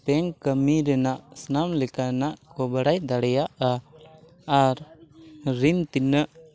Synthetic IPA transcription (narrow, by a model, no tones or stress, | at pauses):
p̪ɛŋkəmiɾɛnaʔsənamlɛkanaʔkɔbaɽajd̪aɽɛjaʔa | aɾ | ɾint̪inəʔ